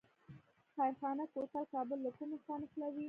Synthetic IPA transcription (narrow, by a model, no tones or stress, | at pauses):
xajɾxɑnakot̪alkɑbəlːakumextɑnexlawi